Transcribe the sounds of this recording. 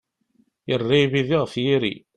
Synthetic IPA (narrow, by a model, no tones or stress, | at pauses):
jərˤːiβiðiʁfjiɾḭ